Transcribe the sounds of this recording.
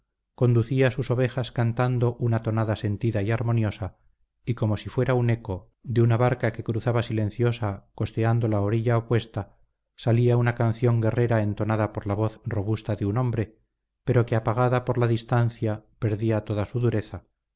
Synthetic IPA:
ko̞nd̪uθiasuso̞β̞e̞xaskant̪and̪o̞ʔunat̪o̞naðase̞nt̪iðaiaɾmo̞njo̞sa | iko̞mo̞sifwe̞ɾaune̞ko̞ | ðeunaβaɾkake̞kɾuθaβasilẽ̞n̟θjo̞sako̞st̪e̞and̪o̞laoɾiʎaopwe̞st̪a | saliaunakan̟θjo̞ŋɡe̞re̞ɾae̞nt̪o̞naðapo̞ɾlaβo̞θro̞βust̪aðeuno̞mbɾe̞ | pe̞ɾo̞keapaɣ̞aðapo̞ɾlaðist̪an̟θjape̞ɾðiat̪o̞ðasuðuɾe̞θa

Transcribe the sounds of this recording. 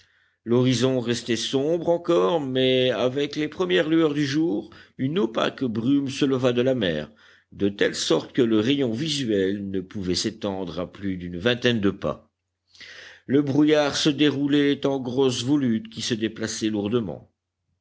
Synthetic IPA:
lɔʁizɔ̃ʁɛst̪ɛsɔ̃bʁɑ̃kɔʁmɛavɛklepχəmjɛʁlyœʁd̪yʒuːʁynopa̰kbʁymsələvad̪əlamɛ̰ːʁ | d̪ət̪ɛlsɔʁt̪kələʁejɔ̃vizɥɛlnəpuvɛset̪ɑ̃d̪ʁaplyd̪ynvɛ̃t̪ɛnd̪əpa̰ | ləbʁujaʁsəd̪eʁulɛt̪ɑ̃ɡʁɔsvɔlyt̪kʲisəd̪eplasɛluʁd̪əmɑ̰̃

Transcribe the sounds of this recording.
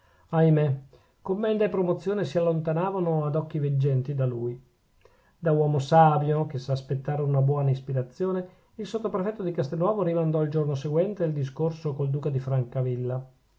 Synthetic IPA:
ajme | komːɛnd̪aepːɾomot̪sːjoːnesialːont̪anaːvanoad̪ɔkːived͡ʒːɛnt̪id̪aluːj | d̪awɔːmosaːbjokesaːspet̪ːaːɾeunabwɔːnaispiɾat̪sːjoːne | ilsot̪ːopɾefɛt̪ːod̪ikast̪enːwɔːvoɾimand̪ɔild͡ʒornoseɡwɛnt̪eild̪is̬korsokold̪uːkad̪ifɾaŋkavilːa

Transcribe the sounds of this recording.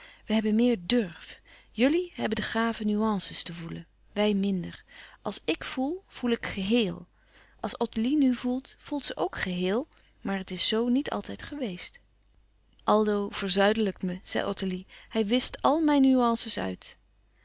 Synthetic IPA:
ʋəɦɛbənmɪːɹdøɹf | jɵliɦɛbəndəχaːvənyɑnsəstəvulən | ʋɛjmɪndəɹʔɑlˠsɪkfulˠv̥ulˠɪkχəɦɪːlˠ | ʔɑlˠsɔtəlinyvulˠtfulˠtsəʔowkχəɦɪːlˠ | maːɹətɪsːownitʰɑ̰lˠtɛjtχəʋejst | ʔɑlˠdowv̥əɹzœɥdələkməz̥ɛ̰jʔɔtəlihɛjʋɪstɑlˠmɛjnːyɑnsəsœ̰ɥt

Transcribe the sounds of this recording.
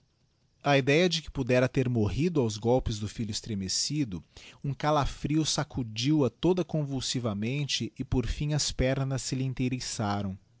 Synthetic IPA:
ɐid̪ɛjɐd͡ʒɪkɪ̥pud̪ɛɾɐt̪eɾmoɦid̪ʊawzɡɔwpɪzd̪ʊfiʎʊɪst̪ɾemesid̪ʊũkalafɾiwʊsakʰud͡ʒiwɐt̪od̪ɐkõvuwsivɐmẽnt͡ʃɪɪpoɾfĩɐspɛɾnɐsːɪlĩnt̪eɾisaɾɐ̃w̃

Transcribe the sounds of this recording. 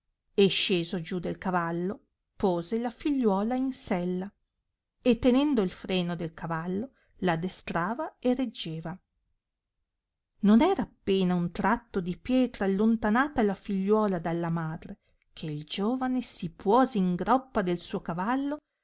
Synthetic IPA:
eʃeːzod͡ʒud̪elkavalːo | poːzelafiʎːwɔːlainsɛlːa | et̪ːenɛnd̪oilfɾeːnod̪elkʰavalːo | lad̪est̪ɾaːvaered͡ʒːeːva | nonɛːɾaːpːeːnaunt̪ɾat̪ːod̪ipjɛːt̪ɾalːont̪anaːt̪alafiʎːwɔːlad̪alːamaːd̪ɾe | kʰeild͡ʒoːvanesipʰwɔːzeiŋɡɾɔpːad̪elsuːokavalːo

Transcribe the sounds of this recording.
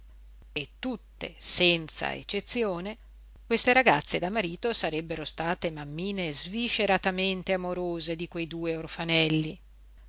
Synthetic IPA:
et̪ːut̪ːḛsɛnt̪sa̰ḛt͡ʃːet̪sːjoːne | kwest̪eɾaɡat̪sːed̪amaɾiːt̪osaɾɛbːeɾost̪aːt̪emamːiːnezviʃeɾat̪ament̪eamoɾoːzed̪ikwejd̪uːeorfanɛlːi

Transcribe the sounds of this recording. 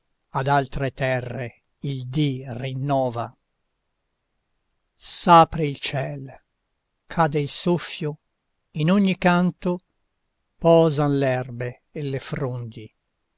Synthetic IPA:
ad̪alt̪ɾet̪ɛrːe | ild̪irinːɔːva | saːpɾeilt͡ʃɛl | kʰad̪eilsofːjo | inoɲːikant̪o | pɔːzanlɛrbeː | lːefɾond̪i

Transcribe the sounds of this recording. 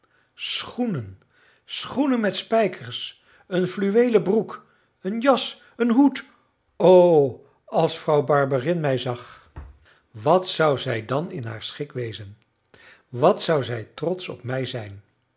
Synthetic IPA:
sχunən | sχunənmɛtspɛjkʰəɹs | ənflyʋejləbruk | ənjɑs | ənɦut | ow | ɑlˠsfrɑwbɑɹbərɪnmɛjzɑχ | ʋɑtsʌwzɛjdɑnɪnɦa̰ːɹsχɪkʋejzən | ʋɑtsʌwzɛjtrɔtsɔ̰p̚mɛjzɛjn

